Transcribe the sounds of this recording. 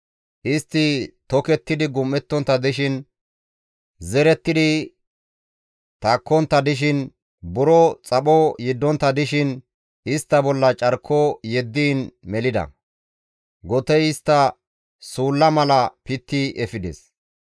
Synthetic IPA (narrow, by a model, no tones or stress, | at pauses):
ʔɪst̪ːɪt̪ɔkɛt̪ːɪd̪ɪɡʊmːɛt̪ːɔnt̪ːɐd̪ɪʃɪn | zɛɾɛt̪ːɪd̪ɪ | t̪ɐkːɔnt̪ːɐd̪ɪʃ̬ɪn | bʊɾɔt͡sʼɐɓɔjɪd̪ːɔnt̪ːɐd̪ɪʃɪn | ɪst̪ːɐbɔlːɐt͡ʃʼɐɾkʰːɔjɛd̪ːiːnmɛlɪd̪ɐ̰ | ɡɔt̪ɛjɪst̪ːɐ | suːlːɐmɐlɐpɪt̪ːɪʔɛfɪd̪ɛ̰s